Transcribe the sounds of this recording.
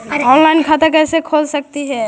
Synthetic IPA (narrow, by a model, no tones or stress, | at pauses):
ɔnlaɪnkʰat̪akɛsekʰolsək̚t̪iɦɛ